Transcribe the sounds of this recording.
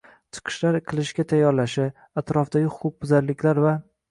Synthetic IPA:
t͡ʃʰɨ̥qʰɨ̥ʃlaɾqʰɨlˠɪʃɡʲat̪ʰajːɒɾlaʃɪ | at̪ɾɒfd̪aɡʲɪχʊp̚bʊzaɾlɪkʲlaɾva

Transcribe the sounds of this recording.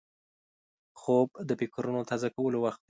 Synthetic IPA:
xob̚d̪əpɪkɾunot̪ʰazakawəlowaxt̪̚

